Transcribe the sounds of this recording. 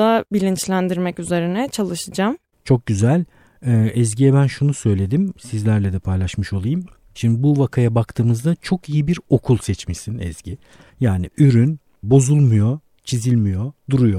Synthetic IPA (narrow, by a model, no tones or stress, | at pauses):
abilʲint͡ʃlʲænd̪iɾmɛcyze̞ɾinɛt͡ʃʰalˠɯʃɯd͡ʒam | t͡ʃʰo̞k̚ɟyzælʲ | ɛːɛzɟijɛbænʃunusø̞jlʲe̞d̪imsizlʲæɾlʲɛd̪ɛpʰajlˠaʃmɯʃo̞lˠajɯm | ʃimd̪ibuvakʰajabakt̪ʰɯːmɯzd̪at͡ʃʰo̞kijibiɾo̞kʰulˠsɛt͡ʃmisinɛ̰z̥ɟi | jaːniyɾyn | bo̞zulˠmujo | t͡ʃʰizilʲmijo̞d̪uɾujo